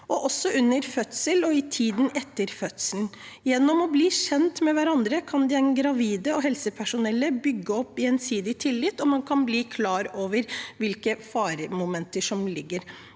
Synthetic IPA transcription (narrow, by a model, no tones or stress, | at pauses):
ʔɔʔɔsːɔʉnːəɾfœt̪səlɔɪt̪ʰiːd̪n̩ɛt̪ːəɾfœt̪səln̩ | jɛnːɔmɔbliːɕɛnt̪mɛʋæɾɑnd̪ɾəkʰɑnd̪ɪæɪnɡɾɑʋiːd̪əɔɦɛlsəpʰæʂʊnɛlːəbʏɡːəɔpːɪɛnsiːd̪ɪt̪ʰɪlːɪt̪ːɔmɑnkʰɑnbliːkʰlɑːɾoːʋəɾʋɪlkəfɑːɾəmʊmɛnt̪əʂɔmlɪɡːəɾ